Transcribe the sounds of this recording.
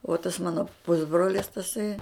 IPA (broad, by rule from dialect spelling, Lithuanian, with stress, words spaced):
oː tɐs ˈmɑːnoː ˈpʊzbroːlʲɪs tɐˈsɐɪ